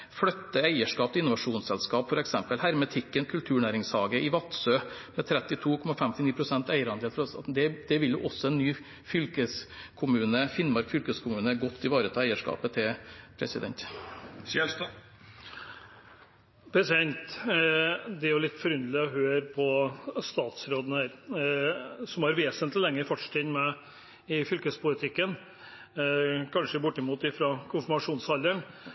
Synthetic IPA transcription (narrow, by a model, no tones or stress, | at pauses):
fɽœt̪ːəæɪəʂkɑːp̪ɪnʊʋɑʂuːnssɛlskɑːpfɔɾɛksɛmpəlhæɾmət̪ʰɪkːənkʰʉlt̪ʰʉːɳæːɾɪŋshɑːɡəʔɪʋɑt̪søːmɛt̪ʰɾɛt̪ːɪt̪ʰuːkʰɔmɑfɛmt̪ɪniːpʰɾʊsɛnt̪æɪəɾɑnd̪eːlfɾd̪ɛd̪ɛʋɪljʊʔɔsːɔɛnːyː | fʏlkəskʰʊmʉːnəfɪnmɑɾkfʏlkəskʰʊmʉːnəɡɔt̪ʰːɪʋɑːɾət̪ʰɑːæɪəʂkɑ̰ːpət̪ʰɪpʰɾɛsɪ̰d̪ɛ̰nt̪ | ɛ | pʰɾɛsɪɛnt̪ | d̪ɛjʊlɪt̪ːfɔɾʏnd̪lɪɔɦøːɾpʰɔst̪ɑːt̪sɾoːd̪ənəəɾ | sɔmhɑɾʋeːsənt̪lɪlɛŋːəfɔʈʂt̪ɪnmɛ | ɪfʏlkəspʰʊlɪt̪ʰɪkːən | kʰɑnʂəbʊʈːɪmuːt̪ɪfɾɑkʰʊnfəɾmɑʂuːnshɑlːəɳ